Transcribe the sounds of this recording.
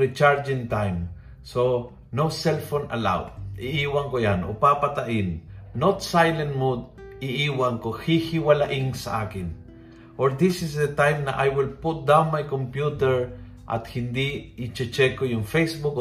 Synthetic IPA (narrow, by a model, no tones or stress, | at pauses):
ɾit͡ʃaɹd͡ʒĩŋt̪ãjm | so | nosɛlfona̰la̰wʔiʔiwaŋkojano̰papat̪aʔinːot̪sajlɛ̃nmud̪ | iiwaŋkohihiwalaʔiŋsaʔakɪn | ʔoɾd̪isɪsd̪ət̪ãjmnaʔajwɪlput̪̚d̪ãwnmajkɔ̃mpjut̪ɛɹ | ʔa̰t̪hĩnd̪iːt͡ʃɛt͡ʃɛkojʊŋfejsbuk